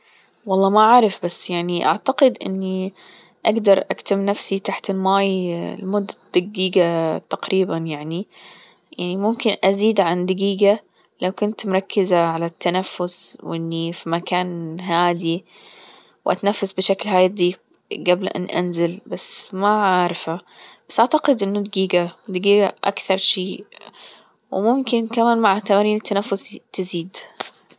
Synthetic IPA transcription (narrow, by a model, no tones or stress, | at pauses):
wɑlˤːɑːmaʕaːɾˤɪfbasːjaʕniʔa̰ʕt̪aqɪd̪ʔɪ̰nːi | ʔaɡd̪ɑɾˤʔakt̪amnafsit̪aħt̪ɪlmaːj̰lmʊd̪ːad̪̥aɡiːɡat̪aqɾiːbanjaʕni | jaʕnimʊmkɪnʔaziːd̪ʕand̪aɡiːɡa | lawkʊnt̪mɾˤɑkːɪzaʕalat̪ːanafːʊswʔɪnːifimakaːnɦaːd̪i | wʔa̰t̪nafːasbɪʃaklɦaːjd̪ˤiː | ɡablʔa̰nʔa̰nzɪlbasmaʕaːɾˤɪfhabasʔaʕt̪aqɪd̪ʔɪnːʊd̪aɡiːɡad̪aɡiːɡaʔa̰kθɑɾˤʃiː | wɪmʊmkɪnkamaːnmaʕat̪amaːniːnɪt̪ːanafːʊst̪ɪziːd̪